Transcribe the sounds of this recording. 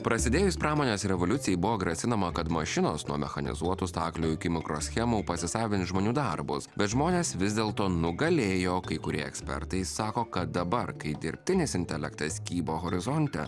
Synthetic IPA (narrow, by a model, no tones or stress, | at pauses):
pɾɐsʲɪd̪ʲeːjʊsʲpɾɑːmoːnʲeːsɾʲɛʋolʲʊt̪sʲɪjɛɪbʊʋoːɡɾɐsʲɪnɐmɐkɐt̪mɐʃʲɪnoːsnuɔmʲɛ̰xɐnʲɪ̰zuɔt̪ʊst̪ɑːklʲoːjʊkʲɪmʲɪkɾo̰ːsʲxʲɛmuːpɐsʲɪsɑːʋʲɪnt̪ʲʒmoːnʲuːd̪ɐɾbʊsbʲɛt̪ʒmoːnʲeːsʋʲɪzʲd̪ʲeːlˠt̪oːnʊɡɐlʲeːjoːkɐɪkʊɾʲiɛɛksʲpʲɛ̰ɾt̪ɐɪsɑːkoːkɐt̪̚d̪ɐbɐɾkɐɪd̪ʲɪɾʲpʲt̪ʲɪnʲɪsɪnʲt̪ʲɛlʲɛkt̪ɐsʲkʲiːboːɣɔɾʲɪzɔnʲt̪ʲɛ̰